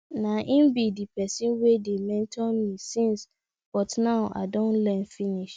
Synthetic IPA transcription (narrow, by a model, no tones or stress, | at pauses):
nãʔĩnbidipʰɛsĩnwedemɛ̃ntʰɔnmĩsĩns | b̥ɔtnaʊʔa̰dɔ̃nlɛ̃nfiniʃ